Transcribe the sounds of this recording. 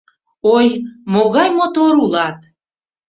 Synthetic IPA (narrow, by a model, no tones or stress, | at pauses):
ojmoɣɑjmot̪oɾulɑt̪